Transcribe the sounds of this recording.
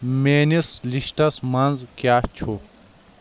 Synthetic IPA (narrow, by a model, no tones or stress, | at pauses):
meːnisliʃʈɐsmɐnzkjaːt͡ɕʰo